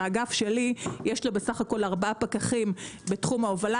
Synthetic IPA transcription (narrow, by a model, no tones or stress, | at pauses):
ɡafʃe̞lijeʃlobesaχako̞laʁbaapakaχimbetχumaovala